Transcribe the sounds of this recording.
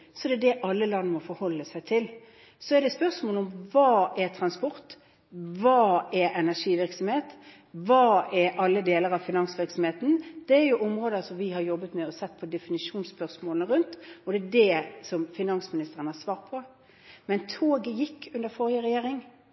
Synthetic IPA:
sɔd̪ɛd̪ɛʔɑlːəlɑnːəmɔfɔɾhɔlːəsæɪt̪ʰɪl | sɔɛd̪ɛspœɾsmoːlʊmʋɑːɛɾt̪ʰɾɑnspɔɾt̪ | ʋɑːɛɾɛnæʂiːʋɪɾksɔmheːt̪ | ʋɑːɛɾɑlːəd̪eːləɾɑʋfɪnɑnsʋɪɾksɔm̩heːt̪n̩d̪̥ɛːɾjʊʔɔmɾoːd̪əsɔmʋɪhɑɾjɔbːət̪mɛɔsɛt̪ːpʰɔd̪ɛfɪnɪʂuːnspœʁsmoːlnəɾʉnt̪ɔd̪ɛːd̪ɛsɔmfɪnɑnsmɪnɪst̪əʁənəhɑsʋɑːɾt̪̚pʰɔ | mɛnt̪ʰoːɡəjɪkʰːʉnd̪əɾfɔɾɪəɾɛjeːɾɪŋ

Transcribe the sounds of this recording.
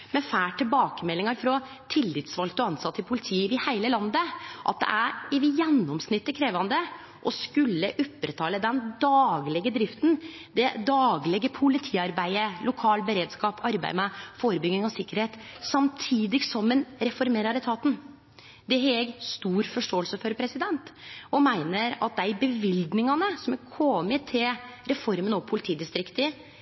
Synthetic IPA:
mɛfæːʈːɪlbɑːkəmɛlːɪŋɑɾfɾɔ | t̪ʰɪlːɪt̪sʋɑlk̚t̪ɔɑnsɑt̪ʰːɪlpʰʊlɪt̪ʰiːʋɪhæɪləlɑnd̪əʔɑ̰t̪̚d̪ɛ̰ʔæɾɪʋɪjɛnːɔmsnɪt̪ːəkʰɾeːʋɑnd̪ə | ʔɔskʉlːəʔʊpːɾət̪ʰɑːləd̪ɛnd̪ɑːɡlɛɡəd̪ɾɪft̪n | d̪ɛd̪ɑːɡlɛɡəpʰʊlɪt̪ʰiːɑɾbæɪəlʊkʰɑːlbəɾeːd̪skɑːpʰɑɾbæ̰ɪmɛfoːɾəbʏɡnɪŋɔsɪkːəɾheːt̪sɑmt̪ʰiːd̪ɪɡsɔmənɾɛfɔɾmeːɾɑɾɛt̪ʰɑːt̪n̩ | d̪ɛhɛɡst̪uːɾfɔʂʈoːəlsəfɔɾpʰɾɛsɪd̪ɛnt̪ɔmæɪnəɾɑ̰t̪̚d̪æbəʋɪld̪nɪŋɑnəsɔmækʰɔːmət̪ʰɪlɾɛfɔɾmənɔpʰʊlɪt̪ʰiːd̪ɪst̪ɾɪkt̪ɪ

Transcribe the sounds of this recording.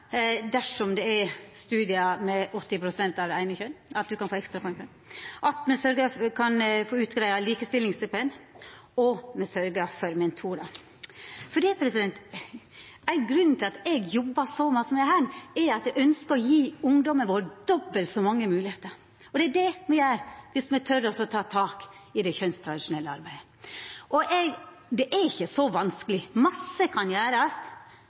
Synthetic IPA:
d̪æʂɔmd̪ɛɛɾst̪ʉːd̪ɪɑmɛʔɔt̪ːɪpʰɾʊsɛnt̪ɑʋæɪnəçœnɑt̪̚d̪ʉkɑnfoːɛkst̪ɾɑpʰɔɛnçœn | ʔɑt̪mɛsœɾɡəkʰɑnfoːʉːt̪ɡɾæɪɑliːkəst̪ɪlɪŋsɛpən | ɔmɛsœɾɡəfɔɾmɛnt̪ʰuːɾɑ | fɔɖiːɛpʰɾɛsɪd̪ɛnt̪ | æɪɡɾʉnːn̩t̪ʰɪlɑt̪ɛɡjɔbːɑsɔmɑsəmæhæːɾɛɾɑt̪ɛɡœnskəɾɔjiːʊŋd̪ɔmənʋoːɾd̪ɔbːəlt̪sɔmɑŋːəmʉːlɪheːt̪əɾ | ɔd̪ɛædɛmɛjæːɾʋɪsmɛt̪ʰœɾəɔsɔt̪ʰɑːt̪ʰɑːkɪd̪ɛçœnst̪ʰɾɑd̪ɪʂʊnɛlːəɑ̰ɾbæɪə | ʔɔʔɛɡ | d̪ɛʔæɾɪçːəsɔʋɑnskəlɪmɑsːəkʰɑnjæːɾɑs

